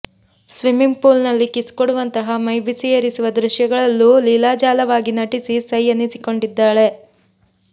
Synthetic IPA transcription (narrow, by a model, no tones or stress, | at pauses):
sʋimiŋɡpuːlnɐlːikiskoɽuʋɐnt̪ɐɦɐmɐjbisijɐɾisuʋɐd̪ɾuʃjɐɡɐɭɐlːulilaːd͡ʒaːlɐʋaːɡinɐʈisisɐjɐnisiko̞ɳɖid̪ːaːɭe̞